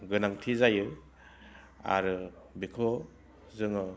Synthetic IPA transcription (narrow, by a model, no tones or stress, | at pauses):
ɡɯnaŋtʰizajɯ | a̰ɾɯ | bikʰo | zɯŋɯ